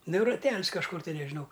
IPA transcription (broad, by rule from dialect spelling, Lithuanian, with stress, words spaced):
ˈnʊ rɐˈtʲɛlʲs kɐʃˈkʊr tɐɪ nʲɛʒʲɪˈnɐʊ